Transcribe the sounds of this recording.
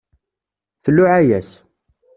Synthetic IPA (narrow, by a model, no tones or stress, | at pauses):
θəlːʊʕæjæs